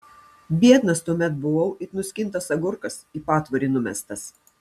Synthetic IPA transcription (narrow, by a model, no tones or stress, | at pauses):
bʲiɛt̪nɐst̪uɔmʲɛt̪̚bʊʋɐʊɪɾnʊsʲkʲɪnˑt̪ɐsɐɡʊɾkɐsiːpɑːt̪ʋoːɾʲiːnʊmʲɛ̰st̪ɐs